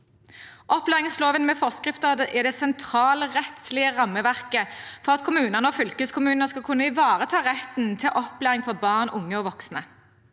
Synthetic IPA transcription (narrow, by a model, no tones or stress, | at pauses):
ʔɔplæːʁɪŋsloːʋənmɛfɔʁskʁɪft̪əd̪ɛd̪ɛsɛnt̪ʰɾɑːləʁɛt̪slɪəʁɑmːəʋæʁkəfɔʁɑt̪kʰʊmʉːnəʁnəɔːfʏlkəskʰʊmʉːnnəskɑlkʰʉnːəɪʋɑːʁət̪ʰɑːʁɛt̪nt̪ʰɪlʔɔplæːʁɪŋfɔʁbɑːʁnʊŋːəɔːʋɔksnə